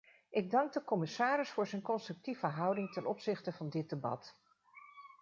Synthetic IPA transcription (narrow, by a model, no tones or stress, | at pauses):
ʔɪɡ̚dɑŋɡ̚dəkɔmɪsaːɾɪsfʊːɹzɛjnkɔnstrɵk̚tivəɦʌwdɪŋtɛnɔpsɪχtəvɑndɪt̚debɑ̰t